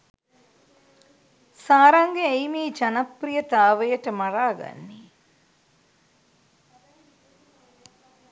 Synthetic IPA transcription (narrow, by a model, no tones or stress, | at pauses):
saːɾɐŋɡeejmiːt͡ʃanɐprijət̪aːʋəjəʈəmaraːɡa̰nːi